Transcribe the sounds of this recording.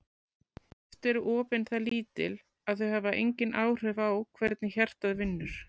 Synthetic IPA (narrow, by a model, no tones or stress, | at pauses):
ɛft̪ɛɾʏʔɔːpɪnθaliːt̪ɪ̰l | aðθœɦɛvaʔḛjɲcɪnʔaːwr̥œvawkʰvɛɾt̪nɪçɛr̥t̪aðvɪnːʏɾ̥